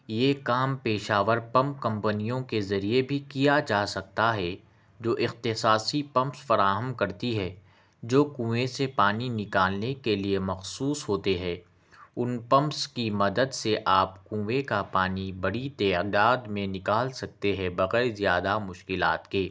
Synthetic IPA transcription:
jeːkaːmpeːʃaːʋəɾpɐ̃mp̚kɐ̃mpənijõkezɐɾiebʱikijad͡ʒaːsɐk̚t̪aɦɛ | d͡ʒoːʔɪxt̪ɪsaːsipɐ̃mpsfɐɾaːɦəmkɐɾt̪iɦɛ | d͡ʒoːkũːʋesepaːninɪkaːlnekeliemɐxsuːsɦoːt̪eɦɛː | ʊnpɐ̃mpskimɐd̪əd̪seʔaːpkũːʋekapaːnibɐɽit̪ɛːd̪aːd̪mẽnɪkaːlsɐk̚t̪eɦɛbɐɣɛːɾzijaːd̪amʊʃkɪla̰ːt̪keː

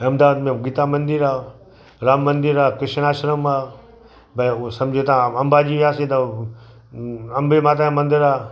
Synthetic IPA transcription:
ɐmd̪aːd̪mẽɡit̪amɐnd̪ɪɾaː | ɾaːmːɐnd̪ɪɾaːkɾɪʃñaːʃɾəmaː | bɐsɐmd͡ʒʱot̪aãɐmbaːd͡ʒiːʋaːset̪ɐ | ɐmbemaːt̪̬ãmɐ̃nd̪ɪɾaː

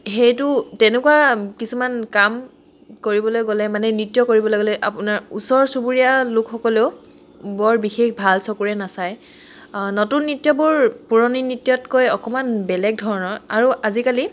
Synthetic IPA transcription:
xejtʊtɛnɛkuwakisumankam | koɹibɔlojɡolɛmanɛnitjɔkoɹibɔlɔɡɔlɛʔapʊnaɹusɔɹsubuɹijalʊkxɔkɔleʊ | bɔɹbixexbʱalsɔkuɹɛnasaj | notunːitjɔbʊɹpuɹɔninitːjɔtkojɔkɔmanbɛlɛk̚dʱɔɹɔnɔaɹuʔazikali

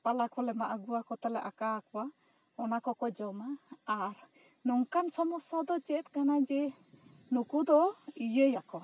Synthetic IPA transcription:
palakɔlɛmaʔaɡuwakɔt̪alɛʔakakɔwa | ɔnakɔkɔd͡ʒɔmaːɾ | nɔŋkansɔmɔsad̪ɔt͡ʃɛt̪̚ˀkanad͡ʒɛ | nukud̪ɔijəjakɔ

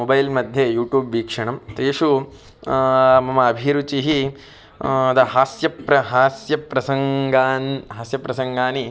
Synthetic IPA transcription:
obɐjlmɐd̪ʱjejuːʈjuːbʋiːkʂɐɳɐmt̪eːʂu | mɐmɐːbʱiɾut͡ʃiɦi | d̪ɐɦaːsjɐpɾɐɦaːsjɐpɾɐsɐŋɡaːnɦaːsjɐpɾɐsɐŋɡaːni

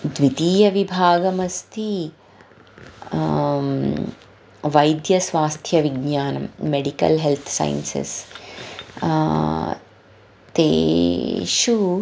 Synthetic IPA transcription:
d̪ʋit̪iːjɐʋibʱaːɡɐmɐst̪ʰi | ʋɐjd̪jɐsʋaːst̪ʰjɐʋiɡɲaːnɐ̰mːeɽikɐ̰lɦelt̪ʰsɐ̰jnsḛs | t̪ḛː | ʃu

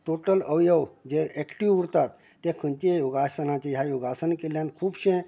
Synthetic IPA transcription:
ʈoʈələʋjəʋd͡ʑeɛkʈiʋuɾt̪at̪ːẽkʰənt͡ɕiejoɡasənãt͡ɕeɦjajoɡasənkeljankʰuːbɕẽ

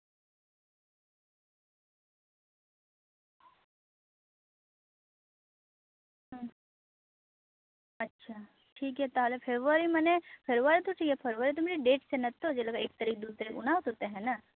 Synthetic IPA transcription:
ɦ | ɐtːʃʰaː | ʈʰiːkɦɛt̪aɦlepʰeʋaɾimɐnepʰeɾuʋaːɾit̪oʈʰiːkɦɛpʰɐɾʋaːɾit̪̬omeɾiɖeːʈsenɐt̪ːod͡ʒeləɡaeːk̚t̪ɐɾiːk̚d̪uːt̪əɾikʊ̰naːʋt̪ɦoːt̪eɦɛ̃ːna

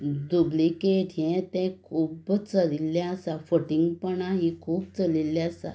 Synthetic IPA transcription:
d̪ublikeʈʰjɛ̃t̪ɛ̃kʰuːbt͡səlilːjaəsafəʈiŋɡpəɳaɦikʰuːbt͡səlilːɛəsa̰

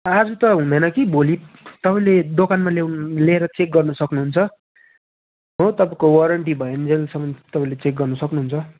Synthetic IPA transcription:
ad͡zut̪ʌɦũnd̪ʌjnʌkibolit̪ʌpãĩled̪okanmalewnleɦeɾʌt͡sek̚ɡʌrnʌsʌknuɦunt͡sʰʌ | ɦot̪ʌpãkowʌɾʌɳʈ̬ibʱʌend͡zelsʌmʌnd̪t̪ʌpãĩlet͡sek̚ɡʌrnʌsʌknuɦunt͡sʰʌ

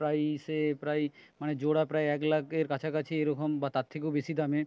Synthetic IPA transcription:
ɾajsepɾajmaned͡ʑoɽapɾajɛklaɡeɾkat͡ɕʰakat͡ɕʰieɾɔkombat̪at̪ʰːekobesid̪ame

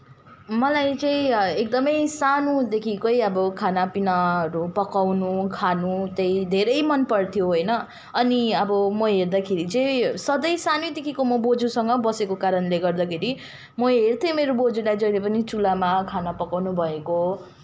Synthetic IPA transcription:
mʌlajt͡sʌĩek̚d̪ʌmʌjsanud̪ekʰikʌjʌbʌkʰanapinaɦʌɾupʌkawnukʰanut̪ʌjd̪ʱeɾʌjmʌnpʌrt̪ʰijoɦojnʌ | ʌniʌbʌmʌɦerd̪akʰeɾit͡sʌĩsʌd̪ʌjsanod̪ekʰikomʌbod͡zusʌŋɡʌbʌsekokaɾʌnleɡʌrd̪akʰeɾi | mʌɦert̪ʰjʌmeɾobod͡zulajd͡zʌjlepʌnit͡sulamakʰanapʌkawnubʱʌeko

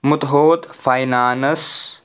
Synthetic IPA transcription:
mut̪ɦoːt̪fajnaːnɐs

